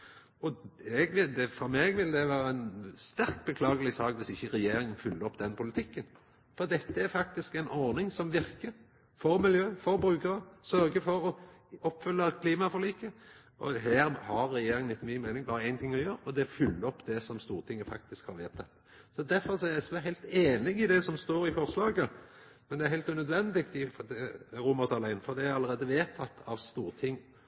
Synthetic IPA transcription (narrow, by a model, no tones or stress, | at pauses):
ɔɛɡʋɪd̪ɛfɔɾmeːɡʋɪld̪ɛʋæːɾəænst̪æɾkbəkʰlɑːɡəlɪsɑːkʋɪsɪçːəɾɛjeːɾɪŋənfʏlːəɾɔpːd̪ɛnpʰʊlɪt̪ʰɪkːən | fɔɾd̪ɛt̪ːəæɾfɑk̚t̪ɪskɛɪnɔɾnɪŋsɔmʋɪɾkəɾ | fɔɾmɪljøːfɔɾbɾʉːkəɾəsœɾɡəfɔɾɔɔpːfʏlːəkʰliːmɑfɔliːkə | ʔɔɦæːɾhɑɾːɛjeːɾɪŋlɪt̪ːmyːmæɪnɪŋbɑːɾəæɪnt̪ʰɪŋːɔjøːɾɔd̪ɛfʏlːəɔpːd̪ɛsɔmst̪uːɾt̪ʰɪŋːəfɑ̰k̚t̪ɪskhɑɾʋeːt̪ʰɑt̪ː | sɔd̪æɾfɔɾsɔæɾæsmæɦæɪlt̪eːnɪɡɪd̪ɛsɔmst̪oːɾɪfɔɾslɑːɡə | mɛnd̪ɛæɾɦæɪlt̪ʉnœd̪ʋɛnd̪ɪɡt̪ɪɾuːməɾt̪ʰɑlæɪnfɔɾd̪ɛæɾɑlːəɾeːd̪əʋeːt̪ʰɑt̪ːʰɑʋst̪uːɾt̪ʰɪŋː